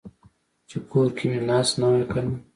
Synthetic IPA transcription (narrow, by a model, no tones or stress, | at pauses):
t͡ʃekʰoːɾkiminaːsnawekanu